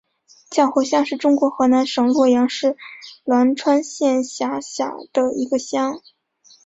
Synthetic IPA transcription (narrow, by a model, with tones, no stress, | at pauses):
t͡ɕjɑ˥˩ʊxo˧˥ʊɕjɑ˥ŋʂɻ̩˥˩ʈ͡ʂʊ˥ŋkwɔ˧˥xɤ˧˥na˧˥nʂɤ˧˥ŋlwɔ˥˩jɑ˧˥ŋʂɻ̩˥˩lwa˧˥nʈ͡ʂʰwa˥nɕjɛ˥˩nɕja˧˥ɕja̰˨˩d̪̥ə˧˦i˧˥ɡə˧ɕjɑ˥ŋ